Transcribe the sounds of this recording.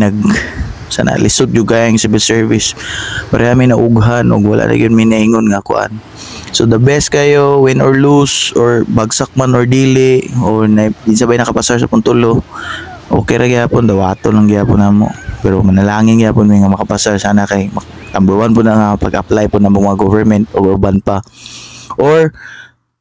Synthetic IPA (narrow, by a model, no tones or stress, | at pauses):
nɐɡ̚ | sa̰ːna̰lɪsʊt̪̚d͡ʒʊɡajaŋsɪbɪlsɛɹvɪspaɾʔɛamɪnaʔʊɡɦanʔo̰ɡwa̰lʔa̰ʔnʔa̰ɡjʊnmɪnɐɪŋonŋakʊʔa̰n | sod̪ɐbɛs̚kɐjowɪnʔoɹlusʔoɹbaɡsak̚manoɹd̪iːlɪʔoɹnaɡɪnsabajnɐkapasaɹsa̰pʊnt̪ʊlo | ʔo̰ːkɛ̰jɾaɡɪhaːpond̪ɐwaːt̪onlaŋɡɪhaːponaːmo̰pɛɾomɐnɐlaːŋɪnɡɪhaːpʊnmɪŋamɐkapasaɹsaːnakajmɐt̪ambʊwanpʊnaŋapɐɡʔaplajpʊnamoŋmɐŋaɡovɛɹmɛnt̪oɡobanpa | ʔoɹ